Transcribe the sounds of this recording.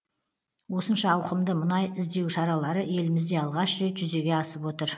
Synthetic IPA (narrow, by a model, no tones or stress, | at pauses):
wo̞sənʃɑːwqəmd̪əmənɑjɪzd̪e̞wʃɑɾɑlˠɑɾəe̞lɪmɪzd̪e̞ɑlˠʁɑʃʒet̪ʒ̥ʏze̞ɡʲe̞ɑsəpwo̞t̪əɾ